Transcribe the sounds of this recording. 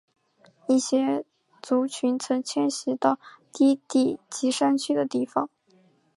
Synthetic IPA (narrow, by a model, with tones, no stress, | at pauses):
i˥˩ɕjɛ˥ | t͡su˧˥t͡ɕʰy˧˥nt͡sʰɤ˧˥ŋt͡ɕʰjɛ˥nɕi˧˥t̪ɑ˥˩ʊt̪i˥t̪i˥˩t͡ɕi˧˥ʂa˥nt͡ɕʰy˥˩d̪ə˨t̪i˥˩fɑ˨˩ŋ